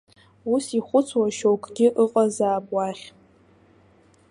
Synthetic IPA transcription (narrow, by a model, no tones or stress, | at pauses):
usiχʷʊt͡sʰwaʃowkʷʼɡʲɪʔɨqʼazaːbʼʷaːχʲ